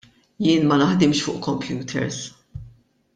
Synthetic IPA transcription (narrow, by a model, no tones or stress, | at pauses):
jɪːnmɐnɐħd̪ɪmʃfʊ̰ːʔkɔmpʰjuːt̪ʰɛ̰ɾs